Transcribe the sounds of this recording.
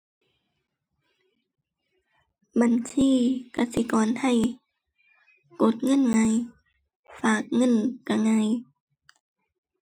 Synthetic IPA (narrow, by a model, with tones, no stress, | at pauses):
ba˨nsʰiː˧˥˨ka˧˩si˧˦kɔː˨nha˧˩˨j | ko˧˦t̪̚ŋɤ˧˥˨nŋa˧˨j | faː˨˩k̚ŋɤ˧˥˨nka˧ŋa˧˥j